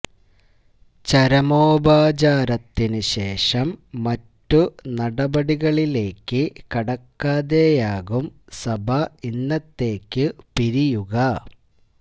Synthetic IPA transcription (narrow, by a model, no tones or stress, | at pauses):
t͡ɕɐɾɐmoːbaːd͡ʑaːɾɐt̪ːinɨɕe̞ːʂɐmːɐtːunɐɽɐbɐɽiɣɐɭile̞ːkːɨkɐɽɐkːaːðeːjaːɣumsɐbʱɐinːɐt̪ːe̞ːkːɨpiɾijuɣɐ